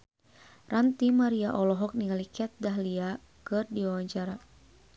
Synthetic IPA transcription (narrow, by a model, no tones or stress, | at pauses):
rant̪imaɾiaʔɔlɔɦɔk̚niŋalikiat̪̚daɦlia | kɨrdiwawaɲt͡ʃaɾa